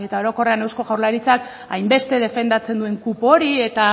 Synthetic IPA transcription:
e̞t̪ao̞ɾo̞ko̞re̞ane̞wsko̞ɣawɾlaɾit͡sak | ajmbe̞st̪e̞ð̞e̞fe̞nd̪at͡se̞nd̪ue̞ŋkupo̞ɾie̞t̪a

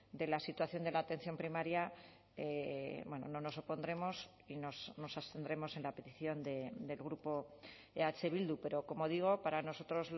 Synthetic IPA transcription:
d̪e̞lasit̪waθjo̞nd̪e̞laːt̪e̞nθjo̞mpɾimaɾja | ebwe̞no̞̰no̞no̞so̞po̞nd̪ɾe̞mo̞s | inosno̞sast̪e̞nd̪ɾe̞mo̞se̞nlape̞t̪iθjo̞nd̪e̞d̪e̞lɣ̞ɾupo̞ | eat͡se̞βild̪upe̞ɾo̞ko̞mo̞ð̞iɣ̞o̞paɾano̞so̞t̪ɾo̞z

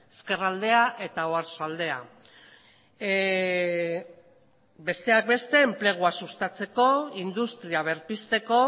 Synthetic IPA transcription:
eske̞rald̪e̞aʔe̞t̪aoaɾsoald̪e̞a | be̞st̪e̞ak̚be̞st̪e̞ːmple̞ɣ̞uasust̪at͡se̞ko̞ind̪ust̪ɾiaβ̞e̞ɾpist̪e̞ko̞

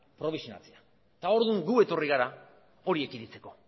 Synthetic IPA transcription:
pɾo̞βisio̞na̰t͡sea | t̪ao̞ɾðuŋɡue̞t̪o̞riɣaɾa | o̞ɾie̞kiɾit͡se̞ko̞

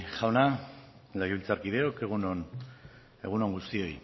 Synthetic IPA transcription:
ʝawna | leɣiβilt͡saɾkið̞e̞oke̞ɣ̞unon | e̞̰ɣuno̞ŋɡust̪io̞j

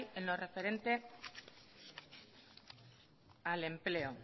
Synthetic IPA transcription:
jenlore̞fe̞ɾe̞nt̪e̞ | ale̞mple̞o

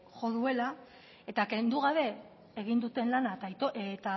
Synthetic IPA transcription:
ʝo̞ðue̞la | e̞t̪ake̞nd̪uɣ̞aβe̞ | eɣ̞ind̪ut̪e̞nlanat̪ajt̪oʔet̪a

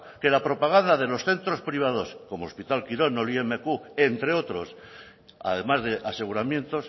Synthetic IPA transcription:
ke̞lapɾo̞paɣ̞and̪aðe̞lo̞sθe̞nt̪ɾo̞spɾiβ̞að̞o̞sko̞moospit̪alkiɾo̞noliemekue̞nt̪ɾe̞o̞t̪ɾo̞s | a̰ðe̞mazðe̞ʔase̞ɣuɾamje̞nt̪o̞s

